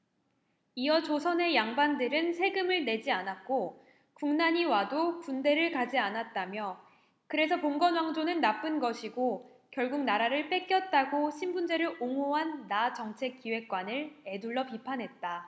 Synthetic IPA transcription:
iʌt͡ɕosʰʌne̞jaŋbandɯɾɯnsʰe̞ɡɯmɯɭne̞d͡ʑianat̚k͈o | kuŋnaɲiwadopunde̞ɾɯɭkad͡ʑianat̚t͈amjʌ | kɯɾe̞sʰʌpoŋɡʌnwaŋd͡ʑonɯnːap͈ɯnɡʌɕʰiɡo | kjʌɭɡuk̚naɾaɾɯɭp͈e̞k͈jʌt̚t͈aɡoɕʰimbund͡ʑe̞ɾɯɭʔoŋoɦanːat͡ɕʌŋt͡ɕʰe̞k͈ːiwe̞k̚k͈wanɯɭe̞duɭːʌpipʰanɦe̞t̚t͈a

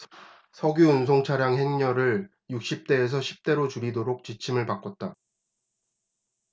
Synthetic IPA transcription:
sʰʌɡjuunsʰoŋt͡ɕʰaɾjaŋɦe̞ŋɲʌɾɯɭ | juk̚ɕ͈ip̚t͈e̞ːs̬ʰʌɕʰi̥p̚t͈e̞ɾot͡ɕuɾidoɾok̚t͡ɕit͡ɕʰimɯɭpak͈ʌt̚t͈a

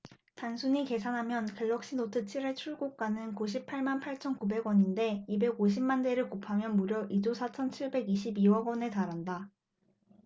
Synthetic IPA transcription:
tansʰuɲike̞sʰanɦamjʌnkeɭːʌk̚ɕ͈inotʰɯt͡ɕʰiɾeɭt͡ɕʰuɭɡok̚k͈anɯnkuɕ̬ʰipʰaɭmanpʰaɭt͡ɕʰʌnkube̞ɡwʌɲinde̞ibe̞ɡoɕ̬ʰimmande̞ɾɯɭkopʰamjʌnmuɾjʌʔid͡ʑosʰat͡ɕʰʌnt͡ɕʰiɭbe̞ɡiɕ̬ʰibiwʌɡwʌne̞taɾɦanda

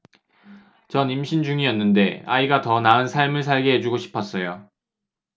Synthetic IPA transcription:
t͡ɕʌnimɕʰind͡ʑuŋiʌnːɯnde̞a̰iɡatʌnaɯnsʰaɭmɯɭsʰaɭɡe̞ɦe̞d͡ʑuɡoɕʰi̥pʰʌs͈ʌjo

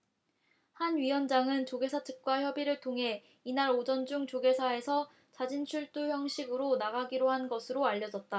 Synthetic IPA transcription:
hanɥiwʌnd͡ʑaŋɯnt͡ɕoɡe̞sʰat͡ɕʰɯk̚k͈waçjʌbiɾɯɭtʰoŋɦe̞ | inaɾod͡ʑʌnd͡ʑuŋt͡ɕoɡe̞sʰae̞sʰʌ | t͡ɕad͡ʑint͡ɕʰuɭt͈uçjʌŋɕʰiɡɯɾonaɡaɡiɾohanɡʌsʰɯɾoaʎːʌd͡ʑʌt̚t͈a

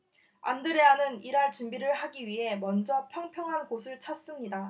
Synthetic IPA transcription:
a̰ndɯɾe̞anɯniɾaɭt͡ɕumbiɾɯɭhaɡiɥiɦe̞mʌnd͡ʑʌpʰjʌŋpʰjʌŋɦanɡosʰɯɭt͡ɕʰʌs͈ɯmɲida

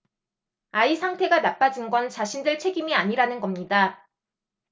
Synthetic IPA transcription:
aisʰaŋtʰe̞ɡanap͈ad͡ʑinɡʌnt͡ɕaɕʰindɯɭt͡ɕʰe̞ɡimiaɲiɾanɯnɡʌmɲida

